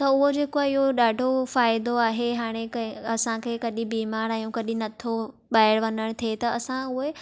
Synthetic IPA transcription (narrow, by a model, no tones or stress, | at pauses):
t̪ɐʊɦod͡ʑeːkoaɪɦoɗaːɖʱofaːɪd̪oaːɦeɦaːɽ̃ekɐɐsãkʰeːkɐɗĩbiːmaːɾaːjũkɐɗĩnɐt̪ʰo | ɓaːɪɽʋɐnəɽ̃t̪ʰiet̪ɐɐsãʊɦe